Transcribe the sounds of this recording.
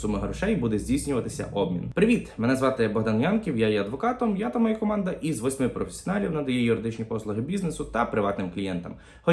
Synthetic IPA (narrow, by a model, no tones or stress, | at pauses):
sumɪɦɐɾɔʃɛjbud̪ɛzʲijsʲnʲʊʋɐt̪ɪsʲɐ̰ʔɔb̚mʲḭnpɾɪʋʲit̪menɛzʋɑt̪ɪbɔɦd̪ɐnjʲɑnkʲiwjajɛɐd̪ʋɔkɑt̪ɔmjat̪ɐmɐjakɔmɑnd̪ɐʔizʋɔsʲmɪpɾɔfʲe̥sʲɔnɑlʲiwnɐd̪ɐjɛjʊɾɪd̪ɪt͡ʃnʲipɔslˠʊɦɪbʲiznesʊt̪ɐpɾɪʋɑt̪nɪmklʲijɛnt̪ɐm | xɔ